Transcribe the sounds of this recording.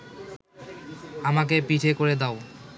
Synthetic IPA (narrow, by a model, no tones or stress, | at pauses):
amak̬epiʈʰekoɾed̪ao